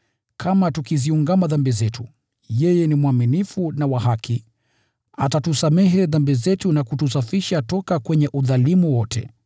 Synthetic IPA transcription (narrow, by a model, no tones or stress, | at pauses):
kʰamatukiziuŋɡamaðambizɛtu | jɛjɛnimuaminifunawaɦakʰi | atatusamɛɦɛðambizɛtunakutusafiʃatɔkakwɛɲɛʔuðalimuwɔtʰɛ̰